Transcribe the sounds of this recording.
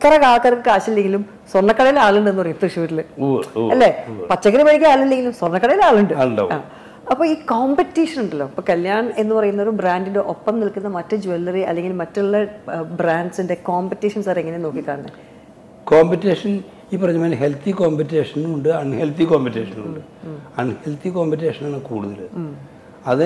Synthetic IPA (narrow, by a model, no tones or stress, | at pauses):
t̪ɐrɐkaːɭɐkːaːɾkːɨkaːɕilːe̞ŋɡʲilum | sworɳːɐkːɐɽɐjilaːɭuɳɖɨenːɨpɐrɐjumɐt̪ʂuʋɐtːiluɐlːepɐt͡ɕːɐkɐɾimɐɻik̬ʲːɐaːɭilːe̞ŋɡilumswornːɐkːɐɽɐjilaːɭuɳɖɨaːɭuɳɖɐ̰aː | ɐpːo̞ːiːkoːmbetːiːʂɐnuɳɖɐlːo̞ːɐpːoːkɐljaːɳe̞nːɨpɐrɐjunːɐoɾubraːndindeʔopːɐmnilkunːɐmɐtːɨd͡ʑuelːɐriɐ̰lːe̞ŋɡilmɐtːuɭːɐbraːɳɖsinde̞koːmbetːiːʂɐnsaːɾeeŋːɐneno̞ːkːikːaːɳɐnːɨɐ | koːmpitːeːʂɐn | iːpːɐrɐɲːɐmɐnɐɦe̞lt̪ʰikoːmbitːeːʂɐnuɳɖɨɐɳhelt̪ikoːmpitːeːʂɐnṵɳɖɨ | ɐɳhelt̪ʰikoːmpit̬ːeːʂɐnaːɳɨkuːɽuðɐlɨ | ɐðɨ